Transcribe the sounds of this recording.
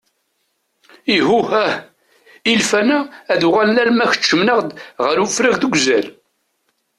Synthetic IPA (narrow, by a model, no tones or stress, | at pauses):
iɦuhæh | ilfænæːðuʁælːælmæçə̥t͡ʃːəmnəʁd̪ʁəɾufɾæʝðəɡʷzæl